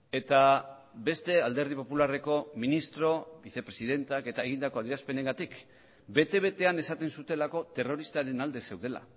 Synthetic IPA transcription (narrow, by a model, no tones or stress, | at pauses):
e̞t̪a | be̞st̪e̞ald̪e̞ɾð̞ipo̞pulare̞ko̞minist̪ɾo̞βiθe̞pɾe̞siðe̞nt̪ake̞t̪aeɣind̪ako̞aðiɾaspe̞ne̞ŋɡat̪ik | be̞t̪e̞β̞e̞t̪e̞ane̞sat̪e̞nsut̪e̞lako̞t̪e̞ro̞ɾist̪aɾe̞nald̪e̞se̞wð̞e̞la̰